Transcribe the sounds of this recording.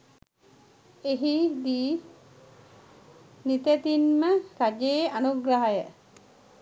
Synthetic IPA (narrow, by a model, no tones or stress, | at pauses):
eɦid̪iː | nit̪et̪inməkad͡ʒeːanuɡɾaɦajə